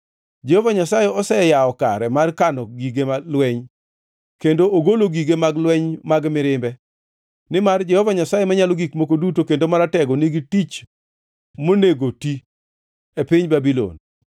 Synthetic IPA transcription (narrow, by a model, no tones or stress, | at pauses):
d͡ʒɛhovaɲasajeɔsɛjaɔka̰ɾɛmarkanɔɡiɡemalwɛɲ | kendooɡoloɡiɡemaɡlwɛɲmaɡmɪɾɪmbɛ | nɪmard͡ʒɛhɔvaɲasajemaɲaloɡikmokodutokendomaɾatɛɡɔniɡitit͡ʃ | moneɡoti | epɪɲbabilo̰n